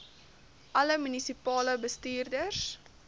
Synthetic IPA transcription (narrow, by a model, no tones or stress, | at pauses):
ʔɐləmynisipɑːləbəstiːrdərs